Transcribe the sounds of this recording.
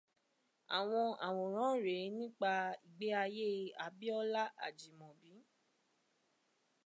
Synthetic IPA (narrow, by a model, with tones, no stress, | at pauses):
a̰˨w̃ɔ̃˧a̰˨w̃ɔ̃˨ɾ̃ã˨˦ɾe˨˦nĩ˦k͡pa˧i˨ɡ͡be˨˦a˧je˦˧a˨bi˦ɔ˦la˦a̰˦˨d͡ʒi˨mɔ̃˨bi˨˦